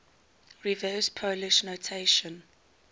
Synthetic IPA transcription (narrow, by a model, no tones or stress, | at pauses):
ɹivɜːspʰoʊlɪʃnotʰeɪʃɔ̃n